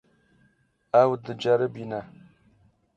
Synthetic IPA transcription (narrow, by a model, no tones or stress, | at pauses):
awdəd͡ʒaɾəbina